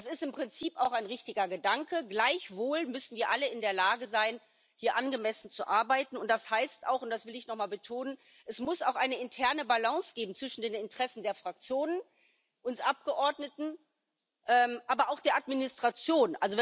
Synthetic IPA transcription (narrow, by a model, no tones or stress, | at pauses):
sɪstɪmpʁ̥ɪnt͡siːpaʊxaɪnʁɪçtɪɡɐɡədaŋkəɡlaɪçv̥oːlmʏsn̩viːɐʔaləɪndeːɐlaːɡəzaɪn | hiːɐʔanɡəmɛsn̩t͡suʔaɐbaɪtn̩ʊntd̥ashaɪsta̰ʊxʊnt̚d̥asv̥ɪlɪçnɔχmaːlbətʰoːnən | ʔɛsmʊsa̰ʊxʔaɪnəɪntʰɛɐnəbalãŋsɡ̥eːbm̩t͡sv̥ɪʃn̩deːnɪntʁ̥ɛsn̩deːɐfʁ̥ak̚t͡sjoːnən | ʔʊnsʔap̚ɡ̥əʔɔɐdnətn̩ | ʔɛːmʔaːbɐaʊxd̥eːɐʔatminɪstʁ̥at͡sjoːnʔa̰lzov